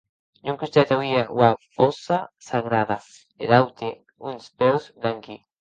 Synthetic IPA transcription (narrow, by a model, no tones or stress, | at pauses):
ɲuŋkust̪et̪awiaʔwaposasaɣɾaða | ḛlawt̪e | unspewzblaŋki